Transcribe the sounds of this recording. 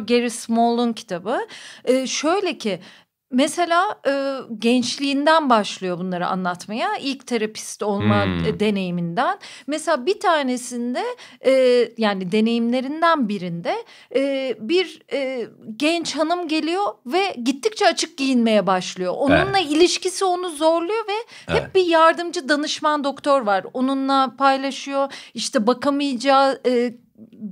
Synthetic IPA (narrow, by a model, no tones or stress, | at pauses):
ɟeɾismolˠuncʰi̥t̪ʰabɯɯːʃø̞jlʲe̞cʰɪ | mɛse̞lʲaːɯːɟɛnt͡ʃlʲiːnd̪ænbaʃlˠɯjo̞bunlˠaɾɯa̰nlˠat̪majailʲct̪ʰeɾapʰi̥st̪olˠmad̪e̞ne̞jimind̪ænmeselʲaːbit̪ʰaːne̞sind̪ɛː | jaːnid̪e̞ne̞jimlʲe̞ɾind̪ænbiɾind̪ɛː | biɾː | ɟɛnt͡ʃhanɯmɟe̞lʲijo̞vɛɟit̪ʰːic̚t͡ʃʰɛat͡ʃʰɯk̚ɟijinme̞jɛbaʃlˠɯjo̞̰ʔonunlˠailʲiʃcisio̞nuzo̞ɾlˠujo̞vɛ | hɛp̚bijaɾd̪ɯmd͡ʒɯd̪anɯʃmand̪o̞kt̪ʰo̞ɾvaɾo̞nunlˠapʰajlʲˠaʃɯjo̞iʃt̪ʰɛbakʰamɯjd͡ʒaːɯː